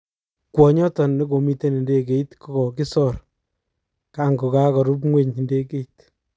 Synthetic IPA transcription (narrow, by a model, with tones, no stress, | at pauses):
kwɔ˨ɲɔ˦tɔ˨nne˦ko˨mi˦te˦ni˨nde˦ke˨i˦tkɔ˦ɡɔ˨ki˦sɔɾ | ka˦ŋɡo˨ka˦kɔ˨ɾu˦p̬ŋwe˦ɲi˨nde˦ke˦it